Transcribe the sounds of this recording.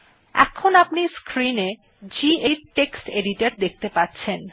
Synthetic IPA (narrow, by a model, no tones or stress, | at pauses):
ɛ̰kʰonapniskɾine | d͡ʑieɾʈeksʈeɖiʈaɾd̪ek̚ʰt̪epatːɕʰen